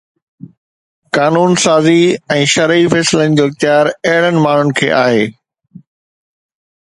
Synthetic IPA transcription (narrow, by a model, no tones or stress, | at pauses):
kaːnuːnsaːziɛ̃ːʃɐɾifɛːsɪlənɪ̆d͡ʑoːɪxt̪jaːɾɐɦɪɽ̤ənɪ̆maːɳ̤ʊnɪ̆kʰḛːʔaːɦeː